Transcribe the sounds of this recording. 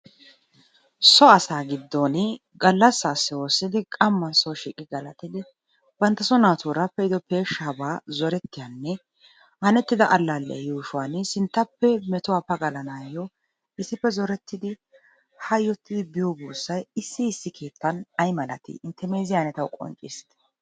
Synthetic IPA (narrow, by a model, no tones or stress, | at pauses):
sɔɐsaːɡɪd̪ːon | ɡɐlːɐsːaːsːɪwo̞ːsːɪd̪ɪkʼɐmːɐnsɔʃiːkʼːɪɡɐlɐt̪ɪd̪ɪ | bɐnt̪ːɐsɔnaːt̪uːɾapːɛɪd̪ɔpe̞ːʃːaːbaːzɔɾɛt̪ːɪjanːɛ | hɐnɛt̪ːɪd̪ɐʔɐlːalːɛ̰ɐjuːʃʊwansɪnt̪ːɐpːɛmɛt̪ʊwaːpɐɡɐlɐnaːjːɔ | ɪsːɪpːɛzɔɾɛt̪ːɪd̪ɪ | hɐjːɔt̪ʰːɪd̪ɪbɪjɔbuːsːɐjɪsːɪːsːɪkʰe̞ːt̪ːɐnɐjmɐlɐ̰t̪ɪ̰ɪnt̪ːɛme̞ːzɪjanɛt̪ɐwkʼɔ̰nt͡ʃʼɪst̪ɛ̥